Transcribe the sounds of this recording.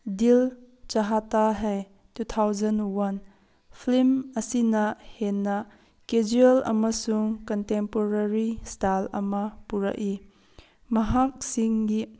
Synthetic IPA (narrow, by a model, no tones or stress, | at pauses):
dil | t͡ʃɐɦataɦaj | tut̪ʰawzɐnwɐn | pʰlimɐsinɐhenːɐ | ked͡ʒiɐlɐ̰mɐsuŋkɔntempoɾɐɾistalɐ̰mɐpuɾɐ̰ʔi | mɐɦak̚siŋɡi